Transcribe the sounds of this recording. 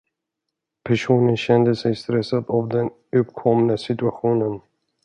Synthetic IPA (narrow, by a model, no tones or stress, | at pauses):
pʰæʂuːnənɕɛnd̪əsɛjst̪ɾɛsːad̪avd̪ɛn | ɵpkʰɔmnəsɪt̪ɵaɧuːnən